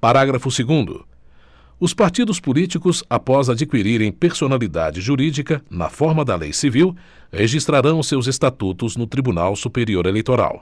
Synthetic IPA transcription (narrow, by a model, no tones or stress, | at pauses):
paɾaɡɾɐfʊseɡũnd̪ʊ̰ | ʊspaɾt͡ʃid̪ʊspulit͡ʃikʊzapɔzad͡ʒikwiɾiɾẽj̃peɾsonalid̪a̰d͡ʒɪʒuɾid͡ʒikɐnɐ̰fɔɾmɐd̪ɐlḛjsiviw | heʒist̪ɾaɾɐ̃w̃ʊsewzest̪at̪ut̪ʊznʊt̪ɾibuna̰wsupeɾioɾelejt̪oɾa̰w